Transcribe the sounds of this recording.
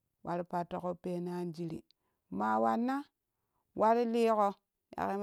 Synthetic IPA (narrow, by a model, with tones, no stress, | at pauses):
wʔa˨ɾi˦pa˨tːo˨ko˦pe˦na˦nd͡ʒi˦ɾḭ˨ | ma˨wa˨nːa˦ | wʔa˦ɾi˦li˦ko˦ | ja̰˨ki˦m